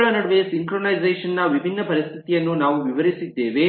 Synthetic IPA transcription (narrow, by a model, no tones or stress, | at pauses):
ɭɐnɐɽɐʋesiŋkɾonɐjzeːʂɐnːɐʋibʱinːɐpɐɾist̪ʰit̪ijɐnːunaːʋuʋiʋɐɾisid̪ːe̞ːʋe